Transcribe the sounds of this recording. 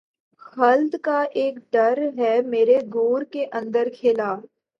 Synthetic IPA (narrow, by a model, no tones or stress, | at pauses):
xɐld̪kaʔeːkɖɐɾɦɛmeːɾeɡoːɾkeʔɐ̃nd̪əɾkʰɪːlaː